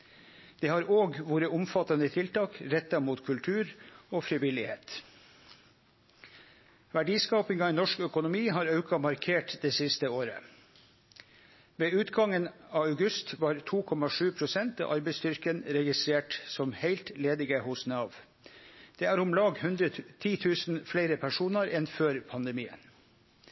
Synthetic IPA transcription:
d̪̥eːhɑːɾʔoːɡʋoːɾəʔʊmfɑt̪ɑnət̪ʰɪlt̪ɑːkɾɛt̪ːɑmuːt̪kʰʉlt̪ʰʉːɾoːfɾɪʋɪlɪheːt̪ | ʋæɖiːskɑːpɪŋɑɪnɔʂkœkʊnʊmiːɦɑːɾɑʉkɑmɑɾkʰeːʈd̪eːsɪst̪əoːɾə̰ | ʋeːʉːt̪ɡɑŋənɑːɑʉɡʉst̪ʋɑːɾt̪ʰuːkʰɔmɑʂʉːpʰɾʊsɛnt̪ɑ̰ːʔɑɾbɛɪst̪ʏɾkənɾɛɡɪst̪ɾeːʈsɔmheɪlt̪leːd̪ɪɡəhʊsnɑʋ | d̪̥eːæːɾʊmlɑːɡhʉnd̪ɾət̪ʰiːt̪ʰʉːsn̩fleɪɾəpʰæʂuːnɑɾɛnføːɾpʰɑnd̪ɛmiːə̰n

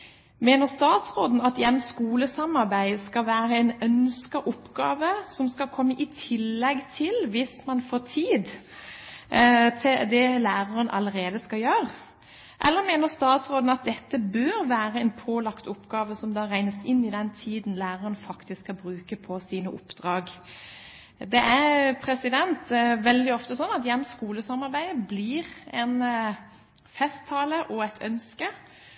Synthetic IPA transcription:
meːnəʁst̪ɑːt̪sɾoːd̪n̩ɑt̪ɪjɛnːskuːləsɑmɑɾbæɪskɑlʋæːɾəɛɪnœnskəʔʊpɡɑːʋəsɔmskɑlkʰɔmːəʔɪt̪ʰɪlːɛɡt̪ʰɪlʋɪsmɑnfoːt̪ʰiːd̪ | t̪ʰɪd̪ɛlæːʁɑʁənʔɑ̰ləɾeːd̪əskɑljøːʁ | ʔɛ̰lːəɾmeːnəst̪ɑːt̪sɾoːd̪n̩ɑt̪̚d̪ɛt̪ːəbøːɾʋæːɾəɛnpʰoːlɑkt̪ʊpɡɑːʋəsɔmd̪ɑːɾæɪnəsɪnːɪd̪ɛnt̪ʰiːd̪n̩læːʁəʁənfɑkt̪ɪskʰːɑbɾʉːkəpʰɔsiːnəʔʊpd̪̥ɾɑːɡ | d̪ɛʔæɾpʰɾɛsɪd̪ɛnt̪ʋɛld̪ɪɔft̪əsɔnːɑt̪jɛmːskuːləsɑmɑɾbæɪəbliːʁɛn | fɛst̪ʰːɑːləʔɔɛt̪ʰœnskə

